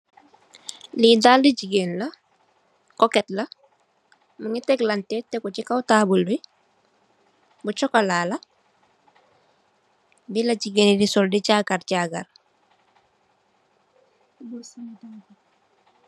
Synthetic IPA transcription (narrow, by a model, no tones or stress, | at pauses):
lidaːldiɟiɡenla | kɔkɛtla | maŋitɛklantetɛkɔt͡ʃikawtaːbuli | but͡ʃɔkalaːla | bilaɟiɡenidisɔldiɟaːɡaɾɟaɡa̰ɾ